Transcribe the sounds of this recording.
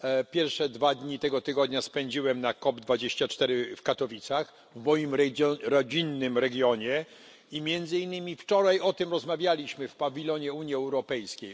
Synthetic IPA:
pʲjɛɾfʂɛd̪vad̪ɲit̪ɛɡɔt̪ɘɡɔd̪ɲaspɛɲd͡ʑiwɛmnakɔbd̪vad͡ʑeɕt͡ɕat͡ʂt̪ɛɾɘfkat̪ɔvʲit̪sax | vmɔjimɾɾɔd͡ʑinːɘmɾɛɡʲjɔɲɛ | imʲjɛnd̪zɘinːɘmʲift͡ʂɔɾajɔt̪ɘmɾɔzmavʲjalʲiɕmɘfpavʲilɔɲɛuɲiɛwɾɔpɛjskʲej

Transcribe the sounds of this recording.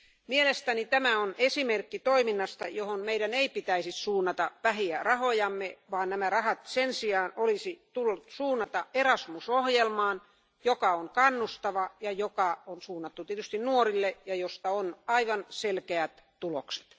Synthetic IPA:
mielest̪ænit̪æmæonesimerkːit̪oiminːɑst̪ɑjohonmeiɾæneipit̪æisissuːnːɑt̪ɑpæhiærɑhojɑmːeʋɑːnnæmærɑhɑt̪sensiɑːnolisit̪ulːut̪suːnːɑt̪ɑerɑsmusohjelmɑːn | jokɑoŋkɑnːust̪ɑʋɑjɑjokɑonsuːnːɑt̪ːut̪iet̪yst̪innuorilːejɑjost̪ɑonɑiʋɑnselkeæt̪t̪ulokse̥t̪

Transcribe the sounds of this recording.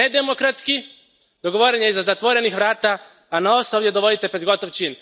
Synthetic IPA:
ed̪emokɾat̪ski | d̪̥o̞ɡo̞ʋoɾeɲeizazat̪ʋo̞ɾe̞nixʋɾaːt̪aː | naosoʋje̞d̪oʋo̞d̪it̪e̞pɾe̞d̪ɡo̞t̪oʋt͡ʃiːn

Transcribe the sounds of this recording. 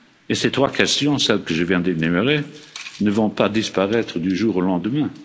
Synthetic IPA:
eset̪χwakʰɛst̪jɔ̃sɛlkəʒəvjɛ̃d̪enɛmøʁenəvɔ̃pad̪ispaʁɛt̪χəd̪yʒuːʁolɑ̃d̪əmɛ̃

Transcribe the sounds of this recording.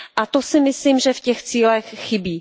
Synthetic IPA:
ʔat̪osɪmɪsliːmʒɛfcɛxt͡siːlɛxxɪbiː

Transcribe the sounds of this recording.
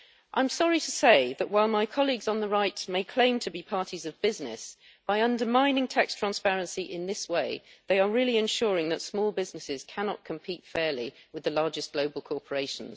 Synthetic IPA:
ʔã̰ɪ̃msɑɹitʰəseɪðəʔwaɪlˠmaɪkʰɒlˠiɡz̃n̩ðəɹaɪtmeɪkʰl̥ẽɪ̃mtʰəbipʰɑɹtʰizəvbɪznɪ̰s | b̥aɪʌ̃ndəmãɪ̃nɪ̃ŋtʰækstʰɹ̥æ̃nspɛɹə̃nsiʔɪ̃nðɪsweɪðeɪəɹɪlˠiɨ̃nʃʊːɹɪ̃ŋðətsmɔːlˠbɪznɪsɪz̥kʰænɑ̰t̚kʰə̃mpʰiˑtfɛɹliwɨðəlɑɹd͡ʒɨsɡ̥loʊbəlˠkʰɔɹpʰəɹeɪʃə̃n̩z̥

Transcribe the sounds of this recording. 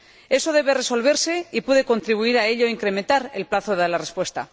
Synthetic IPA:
e̞so̞ð̞e̞βe̞re̞so̞lβ̞e̞ɾse̞ipweðe̞ko̞nt̪ɾiβuiɾae̞ʎoiŋkɾe̞ment̪aɾe̞lplaθoðeaɾlarespwe̞st̪a̰

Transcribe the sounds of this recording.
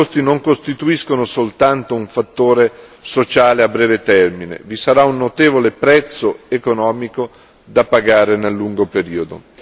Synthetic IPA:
ost̪inoŋkost̪it̪uiskonosolt̪ant̪ouɱfat̪ːoːɾesot͡ʃaːleabːɾɛːvet̪ɛrminḛvisaɾaunːot̪eːvolepɾɛt̪sːoekonɔːmiko | d̪apaɡaːɾenelːuŋɡopeɾiːod̪o̰

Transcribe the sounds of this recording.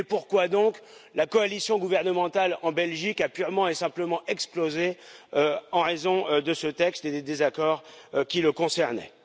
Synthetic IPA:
epuʁkwad̪ɔ̃klakɔalisjɔ̃ɡuvɛʁnəmɑ̃t̪alɑ̃bɛlʒikapyʁmɑ̃esɛ̃pləmɑ̃ʔɛksplozeøɑ̃ʁezɔ̃d̪əsət̪ɛkst̪ed̪ed̪ezakɔʁkʲiləkɔ̃sɛʁnɛ̰

